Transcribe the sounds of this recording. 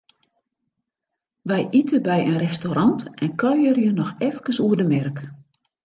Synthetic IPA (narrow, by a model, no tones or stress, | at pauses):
ʋɛjʔitəbɛjənrɛstoɾɑntɛnkœɥərjənɔxɛfkəsuərdəmɛrk